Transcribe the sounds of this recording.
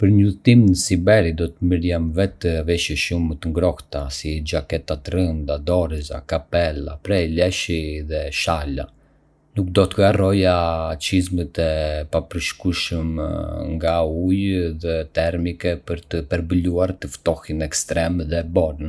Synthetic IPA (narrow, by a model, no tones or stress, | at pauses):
pəɾɲuθt̪imnəsibɛɾid̪ɔt̪əməɾjɛmvɛt̪əvɛʃɛʃumət̪əŋɡɾɔht̪asid͡ʒakɛt̪at̪rənd̪ad̪ɔɾiza̰kapɛla̰pɾɛlɛʃiðɛʃala̰ | nuk̚d̪ɔt̪əɡarɔjat͡ʃizmət̪ɛpapəɾʃkuʃəmŋɡaujðɛt̪ɛɾmikɛpəɾt̪əpɛɾbəluaɾt̪əft̪ɔhinɛkst̪ɾɛmðɛbɔɾən